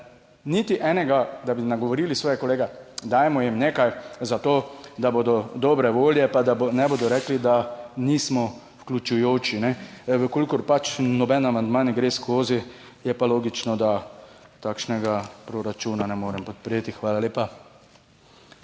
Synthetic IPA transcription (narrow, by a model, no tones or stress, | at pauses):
nit̪iʔɛːnɛɡad̪abinaɡɔʋɔɾiːlisʋɔːjɛkɔleːɡɛd̪aːjmɔjimneːkajzat̪oːd̪aboːd̪ɔd̪ɔːbɾɛʋoːljɛpad̪anɛbod̪ɔɾɛklid̪aniːsmɔ | wklʲut͡ʃujoːt͡ʃinɛʋəkolikɔɾpat͡ʃnɔbɛnamand̪manɛɡɾeːskoːzi | jɛpaloːɡit͡ʃnɔd̪at̪aːkʃnɛɡapɾoɾat͡ʃuːnanɛmoːɾɛmpɔt̪̚pɾeːt̪ixʋaːlaleːpa